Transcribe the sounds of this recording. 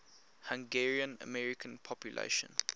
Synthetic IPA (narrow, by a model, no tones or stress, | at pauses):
hãŋɡɛɹiə̃nə̰mɛɹikʰə̃npʰɔpjulʔḛɪʃə̰̃n